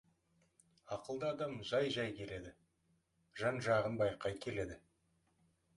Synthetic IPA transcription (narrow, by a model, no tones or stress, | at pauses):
ɑqəlˠd̪əːd̪ɑmʒɑjʒɑjkʲʰe̞le̞d̪ɪ | ʒɑnʒɑʁənbɑjqɑjkʲʰe̞le̞d̪ɪ